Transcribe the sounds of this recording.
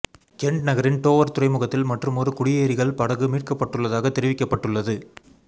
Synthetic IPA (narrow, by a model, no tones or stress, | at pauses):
kɛɳɖnɐɣɐɾɪnʈoːʋɐɾt̪ʊɾɐɪmɯɣɐt̪ːɪlmɐʈrɯmɔrɯkʊɽɪjeːɾɪɣɐɭpɐɽɐɣɯmiːʈ̚kɐpːɐʈːɯɭːɐðaːɣɐt̪ːɛɾɪʋɪkːɐpːɐʈːɯɭːɐðɯ